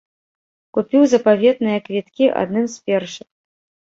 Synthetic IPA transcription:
kupʲiwzɐpavʲet̪nɨjɐkvʲit̪kʲiʔa̰d̪nɨmspʲerʂɨ

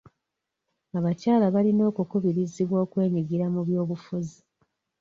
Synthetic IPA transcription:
aβacaːlaβalino̞ːkukuβiɾiziβwo̞ːkwe̞ːɲiɡiɾamuβjo̞ːβufuzi

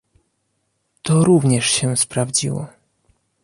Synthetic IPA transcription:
t̪ɔɾuvɲɛʂɕɛspɾavd͡ʑḭwɔ̰

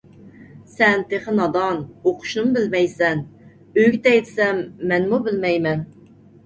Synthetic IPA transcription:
sɛnt̪ʰeχənɑd̪ɑnoqʰʊ̥ʃnɨmbɪlmɛjsɛn | øɡʲt̪ʰɛjt̪sɛmːɛnmubɪlmɛjmɛn

